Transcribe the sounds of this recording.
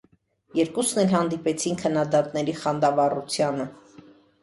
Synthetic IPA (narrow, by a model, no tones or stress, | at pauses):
jɛɾkusnɛlɦɑnd̪ipɛt͡sʰinkʰənːɑd̪ɑt̪nɛɾiχɑnd̪ɑvɑrut͡sʰjɑnə